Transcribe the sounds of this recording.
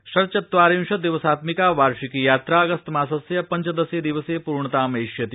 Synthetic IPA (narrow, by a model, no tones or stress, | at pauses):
ʃɐɾt͡ʃɐt̪ʋaːɾĩnʃɐd̪iʋəsaːt̪mikaːʋaːɾʃikijaːt̪ɾaːɐɡɐst̪maːsɐsjɐpɐɲt͡ʃɐd̪ɐseːd̪iʋəseːpuɾɳət̪aːmɐiʃjɐt̪i